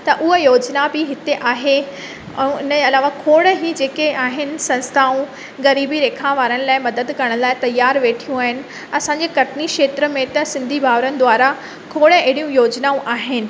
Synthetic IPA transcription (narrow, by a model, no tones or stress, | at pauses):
t̪ɐʔʊɦəjoːd͡ʑnabɪɦɪt̪eʔaːɦe | ɛ̰̃ɪnəɐlaːʋakʰoːɽɦid͡ʑeːkeaːɦɪnɪ̆sɐ̃nst̪ʰaːũ | ɣɐɾiːbiɾeːkʰaʋaːɾənɪ̆laːɪmɐd̪əd̪kɐɽ̃laːɪt̪ɐjːaːɾʋeːʈʰijũaːɦɪnɪ̆ | ɐsãːɲd͡ʑekɐʈʰnikʃeːt̪ɾəmẽt̪ɐsɪ̃nd̪ʱibʱaːʋɾənɪ̆d̪ʊʋaːɾa | kʰoːɽəeɪɽijũjoːd͡ʑnaːũʔaːɦɪnɪ̆